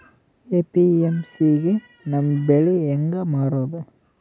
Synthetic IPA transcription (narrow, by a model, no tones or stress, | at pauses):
eːpiemsiɡe | nɐmːbeɭieŋɡɐmaːɽoːd̪u